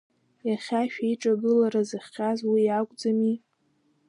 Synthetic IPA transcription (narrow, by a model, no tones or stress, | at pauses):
jaχʲaʃᶣaiʈ͡ʂʼaɡɨlaɾazɨχʲːazwijakʷʼd͡zami